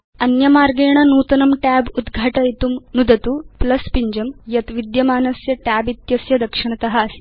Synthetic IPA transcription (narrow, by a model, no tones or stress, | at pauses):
ɐnjɐmaːɾɡeːɳɐnuːt̪ɐnɐmʈæːbud̪ɡʱaːʈɐjt̪umnud̪ɐt̪uplɐspiɲd͡ʒɐmjɐt̪ʋid̪jɐmaːnɐsjɐʈæːbit̪jɐsjɐd̪ɐkʂiɳ̃ɐt̪ɐɦaːsi̥